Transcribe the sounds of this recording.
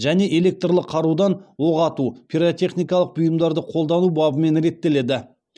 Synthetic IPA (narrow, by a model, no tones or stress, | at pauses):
ʒæne̞ʔe̞le̞k̚t̪rlˠəqʰːɑɾud̪ɑnwo̞ʁɑt̪upʲʰiɾot̪ʲe̞χnijkɑlˠəq̚bʊjəmd̪ɑɾd̪əqʰo̞lˠd̪ɑnubɑbəme̞nɾe̞t̪ːe̞le̞d̪ɪ